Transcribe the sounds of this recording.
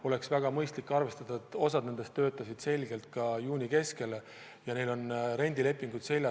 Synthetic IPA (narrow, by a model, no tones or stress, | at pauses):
o̞le̞ksvæɡ̥ɑmɤjst̪likːɑrve̞st̪ɑd̪ɑt̪o̞sɑd̪ned̪̥est̪ːø̞ːt̪ːˑɑsid̪̥se̞lʲɡ̥e̞lt̪̚kɑjuːnʲike̞ske̞le | jɑne̞jlo̞nɾe̞nʲd̪ile̞pːˑiŋɡ̥ut̪se̞lʲjɑ